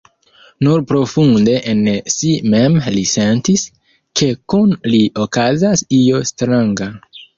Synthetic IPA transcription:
nuɾpɾo̞funde̞ʔensime̞mlise̞ntis | kʰe̞kunliʔo̞kazasio̞stɾaŋɡa

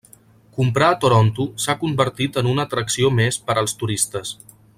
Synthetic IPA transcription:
kumpɾaət̪uɾont̪usakumbəɾt̪it̪ənunət̪ɾəksiomespəɾəlˠst̪uɾist̪əs

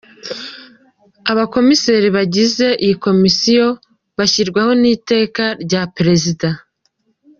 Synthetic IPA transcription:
aβako̞mise̞ɾiβaɟize̞ʔijiko̞misijo̞ | βaçiɾɡwaho̞niːte̞ːkaɾɟapɾe̞zida

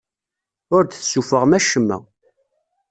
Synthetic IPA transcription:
ʊɾθθsufəʁmæʃəmːæ̰

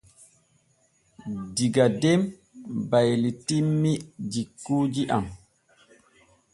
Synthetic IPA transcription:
diɡadɛm | bajlitimːid͡ʒikːuːd͡ʒiʔam

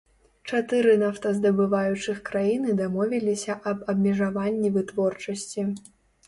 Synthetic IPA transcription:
t͡ʂat̪ɨɾɨnaft̪ɐzd̪ɐbɨvajut͡ʂɨxkɾajinɨd̪amɔvʲilʲisʲɐʔɐbɐbmʲɛʐavanʲːivɨt̪vɔrt͡ʂɐsʲt͡sʲi

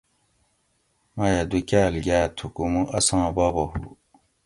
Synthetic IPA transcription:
majad̪ukaːlɡʲaːt̪ʰukumuʔɐsãːbabɐhṵ

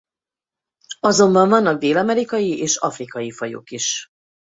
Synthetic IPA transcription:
ɒzo̞mbɒɱvɒnːɒɡ̚d̪eːlɒmɛɾikɒjiʔeːʃɒfrikɒjifɒjo̰kiʃ

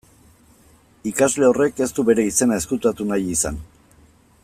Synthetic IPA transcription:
ikazle̞o̞re̞ke̞st̪uβe̞ɾe̞ise̞nae̞skut̪at̪unajisan

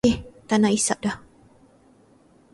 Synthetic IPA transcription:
eht̪anaisa̰ʔ̚dah

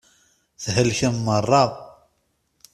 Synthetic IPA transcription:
θɦəlçəmːərˤːɑðˤ

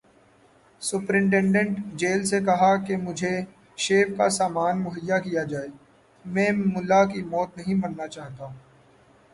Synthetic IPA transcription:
sʊpɾɪ̃ɳʈɛ̃ɳɖə̃ɳʈd͡ʒeːlsekɐɦakemʊd͡ʒʱe | ʃeːfkasaːmaːnmʊɦəjːakijad͡ʒaːeː | mɛ̃ːmʊlakimɔːt̪nɐɦĩbɐnːat͡ʃaːɦt̪aɦũ

